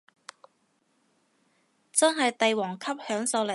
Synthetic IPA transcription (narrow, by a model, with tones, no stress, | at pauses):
t͡sɐ˥nɦɐ˨jt̪e˨jwɔː˨˩ŋkʰɐ˥p̚hœː˨˥ŋsɐ˧wle˨˩